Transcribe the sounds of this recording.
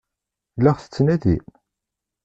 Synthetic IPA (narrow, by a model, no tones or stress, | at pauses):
lːæʁθə̥t͡sːnæðḭ